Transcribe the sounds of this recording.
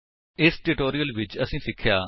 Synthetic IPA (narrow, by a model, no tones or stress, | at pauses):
ɪsʈɪʈoːɾijəlʋɪt͡ʃəsĩːsɪkʰːjaː